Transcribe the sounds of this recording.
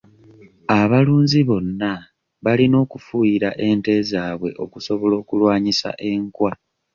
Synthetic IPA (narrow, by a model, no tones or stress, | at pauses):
aβaluːɲziβo̞nːa | βalino̞ːkufujiɾaʔe̞nte̞ːzaːβwe̞ʔo̞kuso̞βo̞lo̞ːkulwaːɲisa̰ʔe̞ŋkwa